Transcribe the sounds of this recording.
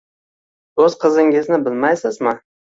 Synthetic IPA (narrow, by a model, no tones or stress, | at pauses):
ɵzqʰɨzɪŋɪznɪbɪlmajsɪzmɪ